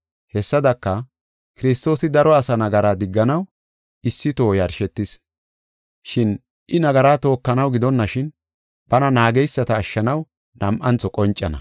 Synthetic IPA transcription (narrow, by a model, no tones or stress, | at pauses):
hɛsːɐd̪ɐkːɐ | kɪɾɪs̬t̪o̞ːsɪd̪ɐɾɔɐsɐnɐɡɐɾaːd̪ɪɡːɐnɐw | ɪsːɪt̪o̞ːjɐɾʃɛt̪ːɪs | ʃɪn | ʔɪnɐɡɐɾaːt̪o̞ːkːɐnɐwɡɪd̪ɔnːɐʃɪn | b̥ɐnɐnaːɡɛjsːɐt̪ɐːʃːɐnɐw | nɐmʔɐnt͡sːɔkʼɔnt͡ʃʼːɐnɐ̰